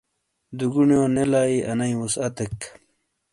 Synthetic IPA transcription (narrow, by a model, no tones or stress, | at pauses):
d̪uɡuɳjoːnelaːiʔɐnɐjwusɐt̪ek